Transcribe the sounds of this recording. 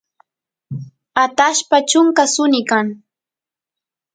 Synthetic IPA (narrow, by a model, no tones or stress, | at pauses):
at̪aʃpat͡ʃʊŋkasʊnɪkaŋ